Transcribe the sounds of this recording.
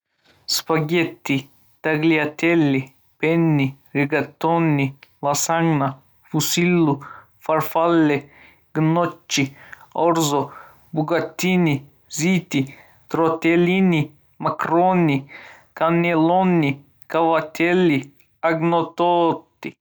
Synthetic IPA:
spaɡʲet̪ːi | t̪aɡliat̪ʲelːi | penːi | ɾiɡat̪onːilasaŋɡna | fusilːu | faɾfalːɛ | ɡ̥not͡ʃːioɾzɔ | buɡat̪ːini | zit̪i | t̪ɾot̪ʲelini | makɾoni | kanelonːi | kaʋat̪ʲʰelːi | aɡnot̪oːt̪ːi

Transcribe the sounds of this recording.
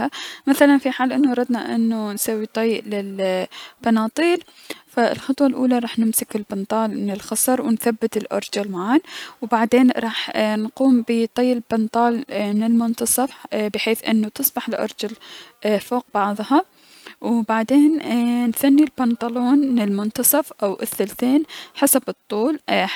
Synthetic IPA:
amaθalanfiħaːlʔɪnːuɑɾˤɑd̪naʔɪ̰nːunsawːit̪ˤɑjʔlɪlbɑnɑːt̪ˤiːl | faɪ̰lxɑt̪ˤwɑlʔuːlaɾˤɑːħnɪmsɪkɪlbɪnt̪ˤɑːlmɪnɪlxɑsˤɑɾˤwɪnθabːɪt̪ɪlʔɑ̰ɾˤd͡ʒʊlmaʕaːnwbaʕd̪eːnɾˤɑːħnquːmbɪt̪ˤɑjːɪlbɪnt̪ˤɑːlmɪnɪlmʊnt̪ɑsˤɑfbɪħeːθʔɪ̰nːut̪ɨsˤbɑħɪlʔɑ̰ɾˤd͡ʒʊlʔfoːq̚bɑʕðˤhɑ | wbaʕd̪eːnnθanːilbɑnt̪ˤɑloːnmɪnɪlmʊnt̪ɑsˤɑfʔawʔɪ̰θːalθeːnħasabɨt̪ˤːuːl

